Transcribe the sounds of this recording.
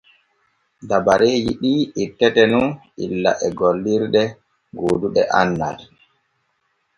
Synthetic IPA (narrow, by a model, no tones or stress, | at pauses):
dabaɾeːd͡ʒḭɗiːitːɛtɛnun | ḭlːa̰ʔɛɡolːiɾɗɛ | ɡoːduɗɛ̰ʔanːa̰d